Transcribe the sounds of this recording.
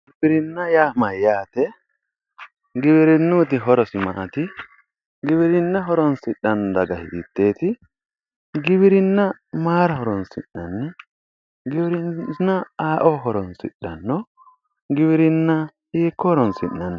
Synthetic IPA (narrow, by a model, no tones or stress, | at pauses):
ɡɪbɪɾɪnːɐjaːmɐjːaːt̪ɛ | ɡɪbɪɾɪnːʊt̪̬ɪɦɔɾɔsɪmɐ̰ʔɐt̪ɪ | ɡɪbɪɾɪnːɐɦɔɾɔnsɪɗːɐnːd̪ɐɡɐhɪ̰d̪ɪt̪ːe̞ːt̪ɪ | ɡɪβɪɾɪnːɐmaːɾɐhɔɾɔnsɪ̰nːɐnːɛ | ɡɪbɪɾɪnnːɐaːʔɔɦɔɾɔnsɪ̰ɗːɐnːɔ | ɡɪbɪɾɪnːɐ | hiːkːɔhɔɾɔnsɪnːɐn